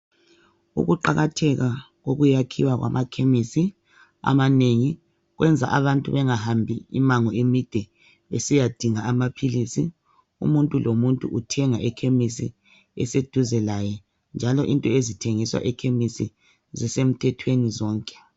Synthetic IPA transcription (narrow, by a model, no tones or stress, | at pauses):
ṵɣuǃaɣatʰɛɣa | ɣoɣujakʰiwaɣwa̰mʔakʰemisi | a̰maneŋi | ɣwɛnd͡zʱa̰ʔaβantʼuβɛŋahambʱiḭmaŋɔemid̥ʱɛ | esijad̥ʱiŋaːmapʰilisi | ṵmuntʼulʔomuntʼuʔutʰɛŋaʔɛkʰemisi | ɛ̰sed̥ʱuzɛlajɛ | nd͡ʒʱalɔʔintʼɔezitʰeŋiswa̰ʔɛkʰemisḭ | zɛsem̩tʰɛtʰwenizɔːŋkʼɛ̥